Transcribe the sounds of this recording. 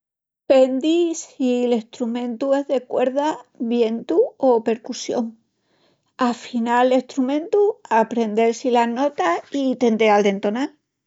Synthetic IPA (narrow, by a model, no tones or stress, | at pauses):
pe̞nd̪isilest̪ɾumẽ̞nt̪ue̞zðe̞kwe̞ɾðaβje̞nt̪uope̞ɾkusjo̞̰ŋ | afinale̞ht̪ɾumẽ̞nt̪uapɾe̞nd̪e̞lsilano̞t̪ait̪e̞nd̪eald̪e̞nt̪o̞nal